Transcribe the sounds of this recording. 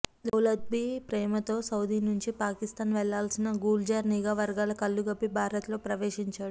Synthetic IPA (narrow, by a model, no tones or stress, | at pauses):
d͡ʒɐwlɐd̪̚bipɾɛːmɐt̪o̞ːsɐwd̪iːnuɲt͡ʃipaːkist̪aːnʋɛɭːaːlsinɐɡuːld͡ʒaːɾniɡaːʋɐɾɡaːlɐkɐlːuɡɐpːibʱaːɾɐt̪lo̞ːpɾɐʋeːʂiɲt͡ʃaːɽu